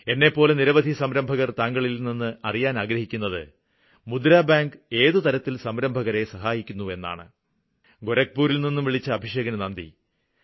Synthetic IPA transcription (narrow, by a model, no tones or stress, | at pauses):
e̞nːe̞pːo̞ːle̞niɾɐʋɐd̪ʱisɐmɾɐmbʱɐɣɐrt̪aːŋɡɐɭilninːɨɐrijaːnaːɡɾɐɦikʲːunːɐðɨ̰ | mud̪ɾaːbaːŋɡɨe̞ːðɨt̪ɐɾɐt̪ːilsɐmɾɐmbʱɐɣɐɾe̞sɐɦaːjikʲːunːue̞nːa̰ːɳɨ̰ | ɡoɾɐk̚puːɾilninːumʋiɭit͡ɕːɐːbʱiʂeːɡɐnɐnɐnd̪ḭ